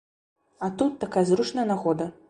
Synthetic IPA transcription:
at̪ut̪ːakajɐzɾut͡ʂnɐjɐnaɣɔd̪ɐ

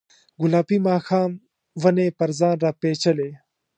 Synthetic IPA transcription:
ɡʊlaːpimaːxaːm | wɐneːpɐɾzaːnɾaːpeːt͡ɕɐleː

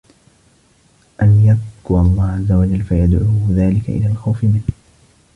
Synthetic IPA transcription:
ʔanjab̚qʊɑlˤːɑːhʕazːawad͡ʒalːfajad̪ʕuːðaːlɪka̰ʔɪ̰laːlxawfɪmɪnh

